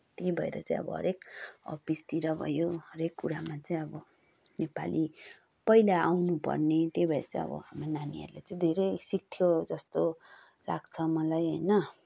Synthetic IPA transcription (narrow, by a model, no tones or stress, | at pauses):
t̪ejbʱʌḛɾʌ̰t͡sãĩʌ̰bʌ̰ɦʌ̰ɾekʌpist̪iɾʌbʱʌ̰joɦʌɾekːuɾamat͡sʌĩʌbʌ | nepa̰lʔi | pʌjlaawnupʌ̰rnet̪jejbʱʌeɾʌt͡sʌĩʌ̰bʌ̰ɦamronaniʌ̰ɾulet͡saĩd̪ʱeɾʌjsik̚t̪ʰjod͡zʌst̪o | la̰ɡt͡sʰʌmʌlajɦʌ̰jnʌ